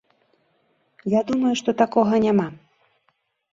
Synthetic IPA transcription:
jad̪umɐjuʂt̪ɔt̪akɔɣɐnʲama

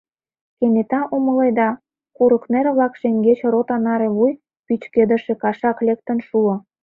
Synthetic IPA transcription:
kenet̪ɑʔuməled̪ɑ | kuɾəkneɾβlɑkʃeŋɡet͡ɕrot̪ɑnɑɾeβuj | pyt͡ɕked̪ə̆ʃĕkɑʃɑklek̚t̪ə̆nʃuo

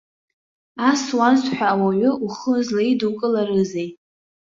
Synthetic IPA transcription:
aswazħʷᶣaːwaɥʷʏʔuχəzlaidukʼɨlarɨzej

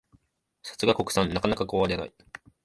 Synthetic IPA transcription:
sḁt͡sɨɡako̞kɯ̟sãnːakanakakoːβaɾe̞na̰i

